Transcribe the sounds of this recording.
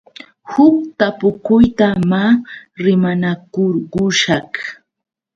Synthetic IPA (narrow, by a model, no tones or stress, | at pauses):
hʊk̚t̪apʊkʊjt̪amaɾɪmanakʊɾɢʊʃɑh